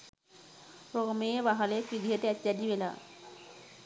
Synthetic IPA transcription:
ɾomeebaɦalekid̪ʱieʈ̪eɛtːjad̪ibela̰

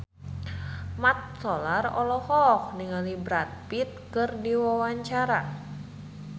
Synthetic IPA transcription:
mat̪̚sɔlarɔlɔhɔk̚niŋalibɾat̪̚pit̪̚kɨrdiwawaɲt͡ʃaɾa

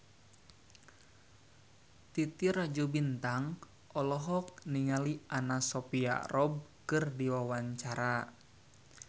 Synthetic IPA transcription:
t̪it̪iɾad͡ʒubint̪aŋ | ʔɔlɔɦɔk̚niŋaliʔanasɔpia̰rɔb̚kɨrdiwawaɲt͡ʃaɾa

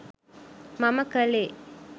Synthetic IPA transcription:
maməkəle

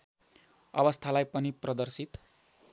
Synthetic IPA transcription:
ʌ̰bʌst̪ʰalajpʌniprʌd̪ʌrsit̪

